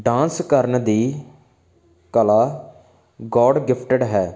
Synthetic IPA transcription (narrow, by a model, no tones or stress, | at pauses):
ɖãːnskəɾnd̪iː | kəlaː | ɡɔːɖɡɪpʰʈəɖɦɛː